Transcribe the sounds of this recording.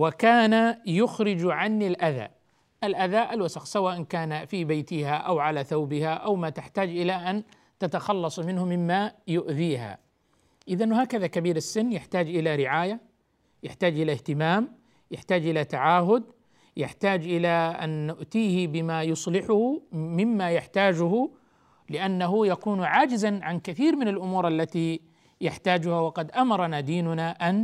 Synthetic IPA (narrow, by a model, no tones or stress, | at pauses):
wakaːnajʊxɾɪd͡ʒʕanːɪlʔaða̰ː | ʔalʔaðaʔalwasɑxsawaːʔɪnkaːnafibajt̪ɪhaʔawʕalaθawbɪhaʔawmat̪ɪħt̪aːd͡ʒʔɪlaʔan | t̪at̪axɑlːɑsˤmɪnhʊmːɪmːajʊʔðiːɦa̰ | ʔɪðanːɦaːkaðakabiːɾɪsːɪnːjaħt̪aːd͡ʒʔɪlaɾɪʕaːja | jaħt̪aːd͡ʒʔɪlaht̪ɪmaːm | jaħt̪aːd͡ʒʔɪlat̪aʕaːɦʊd̪̚ | ja̰ħt̪aːd͡ʒʔɪlaʔa̰nːʊʔt̪iːhɪbɪmajʊsˤlɪħʊhʊmɪmːajaħt̪aːd͡ʒʊɦʊ | lɪʔanːaɦʊjakuːnʕaːd͡ʒɪzanʕankaθiːɾmɪnalʔʊmuːɾʔalːat̪i | jaħt̪aːd͡ʒʊhawɑqɑd̪ʔamɑɾˤɑnaːd̪iːnʊnaʔan